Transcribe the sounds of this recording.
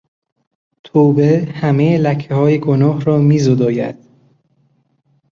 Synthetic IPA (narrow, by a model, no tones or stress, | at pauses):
t̪ʰoːbehæmejelæcʰːehɒːjeɡonɒːɦrɒːmiːzod̪ɒːjæ̰d̪̥